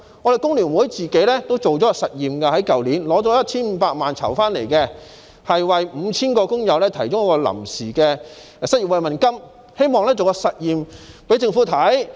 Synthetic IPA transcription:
ŋɔː˨˧ɾe˨jkʊ˥ŋly˨˩nwu˨˥jt͡siː˨ke˨˥lɛː˥t̪o˥wt͡so˨wt͡sɔ˨˦˧sɐ˨t̚jiː˨mkɐ˧hɐ˨˥jkɐ˨wliː˨˥nlɔː˨˥t͡sɔː˨˦˥jɐ˥t̚t͡sʰiː˥nm̩ː˨˧˥paː˧k̚maː˨nt͡sʰɐ̰˨˩wfaː˥nlḛ˨˩jkɛ˧ | hɐ˨jwɐ˨jm̩ː˨˧t͡sʰiː˥nkɔː˧kʊ˥ŋjɐ˨wlɛː˥t̪ʰɐ˨˩jt͡ɕʊ˥ŋjɐ˥kɔː˧lɐ̰˨˩msiː˨˩kɛː˧ | sɐ˨t̚jiː˨pwɐ˨jmɐ˨˩nkɐ˥m | he˥jmɔː˨ŋlɛː˥t͡so˨wkɔ˧sɐ˨t̚jiː˨mpe˨˥t͡sɪ˧ŋfuː˨˥t̪ʰɐ˨˥j

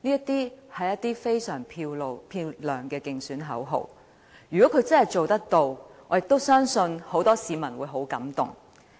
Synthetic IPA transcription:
niː˥ɐ˥t̪iː˥hɐ˨jːɐ˥t̪̚iː˥fe˥jsœː˨˩ŋpʰiː˧lpʰiː˧wlœː˨˩ŋkɛː˧kɪ˨ŋsyː˨˥nɦɐ̰˨˥wɦo̰˨w | jyː˨˩kɔː˨˦˥kʰɵ˨˧ɥt͡sɐ˥hɐ˨jt͡so˨wt̪ɐ˥k̚t̪o˧wʔɔː˨˧jɪ˨k̚t̪o˥wsœː˥ŋsɵ˧nho˨˥wt̪ɔː˥siː˨˧mɐ˨˩nwuː˨˧jɦo˨˥wkɐ̰˨˥mt̪ʊ̰˨˩ŋ

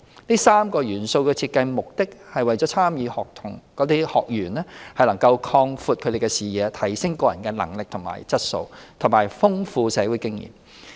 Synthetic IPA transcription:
niː˥saː˥mkɔː˧jyː˨˩nso˧wkɛː˧t͡sʰiː˧t̚kːɐ˧jmʊ˨k̚t̪ɪ˥k̚hɐ˨jwɐ˨jt͡ʃɔː˨˥t͡sʰaː˥mjiː˨˧hɔː˨k̚t̪ʰʊ˨˩ŋkɔː˨˥t̪iː˥hɔː˨k̚jyː˨˩nlɛː˥hɐ˨jlɐ˨˩ŋkɐ˧wkʰɔː˧ŋfuː˨t̚kʰɵ˨˧d̪e˨˩kɛː˧siː˨jɛː˨˧t̪ʰɐ˨˩jsɪ˥ŋkɔː˧jɐ˨˩nkɛː˧lɐ̰˨˩ŋlɪ˨k̚t̪ʰʊ˨˩ŋma̰ː˨˩jt͡sɐ˥t̚so̰˧wt̪ʰʊ˨˩ŋmaː˨˩jfʊ˥ŋfuː˨˧sɛː˨˥wuː˨˥jkɪ˥ŋjḭː˨˩m

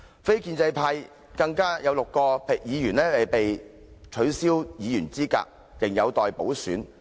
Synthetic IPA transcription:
fe˥jkiː˧nt͡sɐ˧jpʰaː˧j | kɐ˧ŋkaː˥jɐ˨˧wlʊ˨kːɔː˧pʰe˨k̚jiː˨˧jyː˨˩nɛː˥ɐ˨˩jpe˨jt͡ʃʰɵ˨˥ɥsiː˥wjiː˨˧jyː˨˩nt͡siː˥ka̰ː˧k̚ | jɪ˨ŋjɐ˨˧wt̪ɔː˨jpo˨˥wsyː˨˥n

